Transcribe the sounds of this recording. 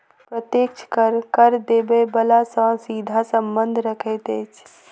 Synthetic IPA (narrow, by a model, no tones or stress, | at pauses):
pɾət̪jek̚t͡ʃʰkəɾkəɾd̪ebebəlasə̃sid̪ʱasəmbənd̪ʱɾəkʰet̪et͡ʃʰ